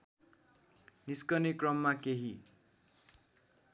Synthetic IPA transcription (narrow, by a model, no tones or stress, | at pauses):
niskʌnikrʌmːakeɦi